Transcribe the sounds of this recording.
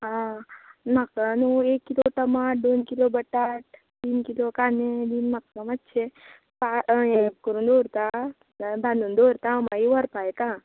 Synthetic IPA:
ɦã | makanuekːiloʈəmad̪onkilobəʈaʈ | t̪iːnkilokaːned̪inmakmətːt͡ʃʰe | paẽkəɾũnd̪oɾt̪a | bʱanund̪oɾt̪ãmaiʋəɾpajt̪ã

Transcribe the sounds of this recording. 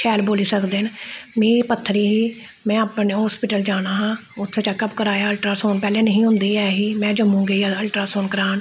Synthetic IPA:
t͡ʃʰɛːlboːliːsəkd̪enmĩːpət̪ʰːəɾiːɦiːmɛ̃ːəpneɦɔːspɪʈəld͡ʒaːnaːɦãːʊt̪ʰːt͡ʃaːkəbkəɾaːjaːəlʈɾaːsoːnpɛːlẽːnəɦĩːɦʊ̃nd̪iːɛːɦiːmɛ̃ːd͡ʒəmũːɡəiːəlʈɾaːsoːnkəɾaːn

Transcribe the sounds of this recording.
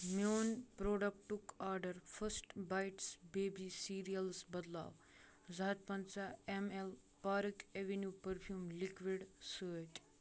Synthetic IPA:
mjoːnpɾoːɖɐk̚ʈukaːɾɖəɾfʰəsʈbajʈsbeːbisiːɾijɐlsbɐd̪la̰ːʋ | zat̪̚pɐnt͡saemel | paːɾəkeʋenjuːpəɾpʰjuːmlikʋiɖsəːʈ

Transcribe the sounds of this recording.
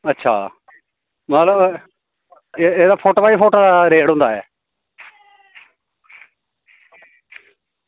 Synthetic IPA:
ətːʃʰa̰ː | mət̪ləb | eeːd̪aːpʰoːʈoːbaːiːpʰoːʈad̪aːɾeːɽɦʊ̃nd̪aːɛː

